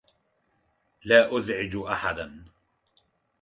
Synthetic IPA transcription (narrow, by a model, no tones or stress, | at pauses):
laːʔʊðʕɪd͡ʒʔaħad̪an